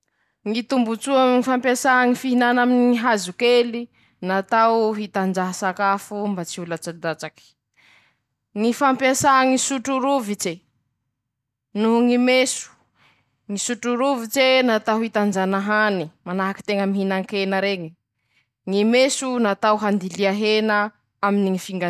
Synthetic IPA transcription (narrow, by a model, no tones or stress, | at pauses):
ŋit̪umbut͡suamŋifampjasaɦaŋifiɦinanaminiɦazukeli | nat̪awɦit̪and͡ʒaɦasakafumbat͡siulat͡sad̪at͡saki̥ | ŋifampjasaŋisuʈ͡ʂuɾuvit͡ʃe | nuɦuŋimesu̥ | ŋisuʈ͡ʂuɾuvit͡senat̪awhit̪and͡ʒanaɦanimanaɦaki̥t̪eŋəmiɦinaŋkenəɾeŋi | ŋimesunat̪awɦand̪iliaɦena | aminiŋifiŋɡa